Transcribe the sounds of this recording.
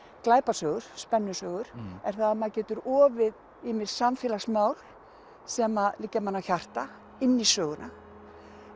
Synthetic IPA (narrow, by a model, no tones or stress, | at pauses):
klaːjpasœːɣʏɾ̥spɛnːʏsœːɣʏɾ̥ɛɾ̥θaðamaðcɛːt̪ʏɾɔːvɪð | ɪmɪsamfɪːlasmaːwl̥ | sɛːmalɪcːamanːawçar̥t̪a | ɪnːisœːɣʏnʔa